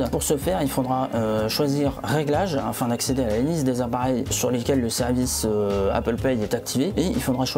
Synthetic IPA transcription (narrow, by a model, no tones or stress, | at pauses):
puʁsəfɛʁilfod̪ʁaøʃwaziʁʁeɡlaʒa̰fɛ̃d̪aksed̪ealalizd̪ezapaʁɛjsyʁlekʲɛlːəsɛʁvisøa̰pəlpɛjɛt̪ak̚t̪ʰiveeḭlfod̪ʁaʃ